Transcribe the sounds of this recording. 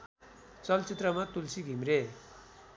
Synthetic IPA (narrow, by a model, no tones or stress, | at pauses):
t͡sʌlt͡sit̪rʌmat̪ulsiɡʱimre